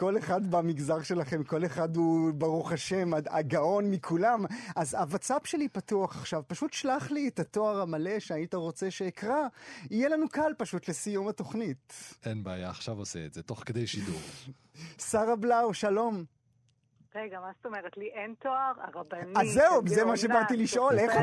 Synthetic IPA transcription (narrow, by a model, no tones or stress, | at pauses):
ko̞leχadbamiɡzaʁʃe̞laχe̞mko̞leχad̪ubaʁuχaʃe̞maa̰ɡaʔo̞nmikʰulamʔazavat͡sapʃe̞lipatuaχaχʃavpaʃutʃlaχlietato̞aʁamale̞ʃeaitaʁo̞t͡seʃeːkʁaijelanukalpaʃut̪lesijumato̞χnitʔenbaaːjaːχʃavosɛ̰ːtzeto̞χked̪ejʃidṵʁ | saʁablawʃalo̞m | ʁeɡamast̪omeʁetliʔent̪oaʁaʁabanazːeubzemaʃebaʁt̪iliʃʔo̞le